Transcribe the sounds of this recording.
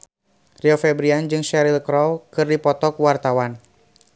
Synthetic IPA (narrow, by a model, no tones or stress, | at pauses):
riɔfɛbɾiand͡ʒɨŋʃɛɾilkɾɔlkɨrdipɔt̪ɔkwart̪awan